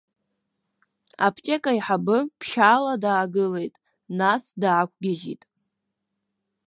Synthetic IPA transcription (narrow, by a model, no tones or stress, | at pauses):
a̰pʰtʲʼe̞kʼaiħabɨpʰʃaːladaːɡɨle̞jtʼ | nasdaːkʷʰʼɡʲaʒḭtʼ